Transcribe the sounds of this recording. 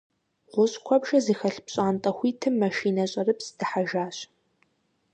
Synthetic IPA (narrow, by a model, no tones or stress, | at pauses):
ʁʷʊɕʼkʷʰɔbʒɐzixɐɬpɕʼaːntʼɐxʷiːtʰɨmːɐʃiːnɐɕʼɐrɨpsd̥ɨħaʒaːɕ